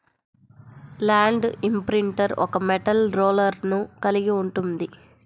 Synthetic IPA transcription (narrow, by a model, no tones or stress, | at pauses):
laːɳɖimpɾiɳʈɐɾʔɔkɐmɛʈɐlɾoːlɐɾnukɐliɡiuɳʈund̪i